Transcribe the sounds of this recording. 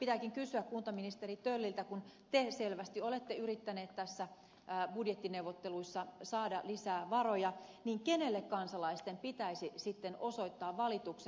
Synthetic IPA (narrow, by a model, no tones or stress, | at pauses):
pit̪ækiŋkysyækkunt̪ɑminist̪erit̪ølːilt̪ækunt̪eselʋæst̪iolet̪ːeyrit̪ːæneːt̪t̪æsːæ | budjet̪ːineuwʋot̪ːeluisːɑsɑːdɑlisæːʋɑrojɑniːŋkenelːekkɑnsɑlɑist̪empit̪æisisit̪ːenoso̞it̪ːɑːʋʋɑlit̪ukse